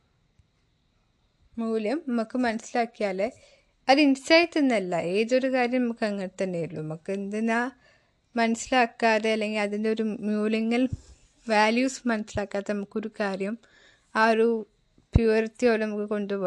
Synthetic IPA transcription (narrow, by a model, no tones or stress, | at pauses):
muːljɐmnɐmukːɨmɐnɐsilaːkːijaːle | ɐðinsɐjtːenːɐlːɐʔe̞ːðo̞ɾukaːɾjɐmnɐmukːɨɐŋːɐɽt̪ːɐnːejiɭːoɐmukːend̪enːa | mɐnɐsilaːkːaːðeɐlːe̞ŋɡilɐðindeo̞ɾumjuːlɐŋːɐl | ʋaːljuːsmɐnɐsilaːkːaːt̪ːenɐmukːoɾukaːɾjɐm | aːɾu | pjuːɐrt̪ːijoːlnɐmukːɨko̞ɳɖɨpo